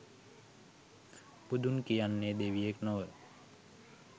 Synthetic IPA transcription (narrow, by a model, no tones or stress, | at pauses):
pud̪unkijanːed̪eʋijeknoʋə